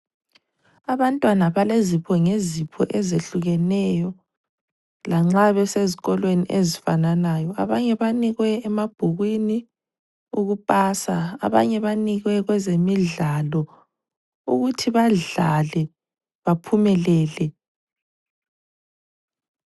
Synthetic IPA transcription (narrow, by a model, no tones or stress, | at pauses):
aβantʼwanaβalezipʰɔŋezipʰɔ̰ʔɛzeɬuɣɛnɛjɔ | laŋ͡ǁaβɛseziɣɔlweniʔezifananajɔʔaβaɲɛβaniɣwɛːmab̥ʱuɣwini | uɣupʼaːsaa̰βa̰ɲɛβaniɣwɛɣwɛzemiɮalɔ | uɣutʰiβaɮalɛ | βapʰumɛlɛːlɛ